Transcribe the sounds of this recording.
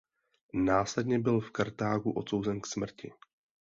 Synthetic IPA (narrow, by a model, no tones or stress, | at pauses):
naːslɛdɲɛbɪlfkaɾt̪aːɡuʔo̞t̪so̞wzɛnksmr̩cɪ